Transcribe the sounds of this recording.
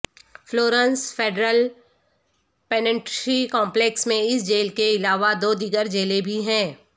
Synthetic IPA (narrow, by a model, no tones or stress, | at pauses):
floːɾə̃nsfeːɖɾəl | pɛːnə̃ɳʈʃikɔ̃ːmpleːksmẽɪsd͡ʒeːlkeɪlaːʋad̪oːd̪iːɡəɾd͡ʒeːlebʱiɦɛ̃ː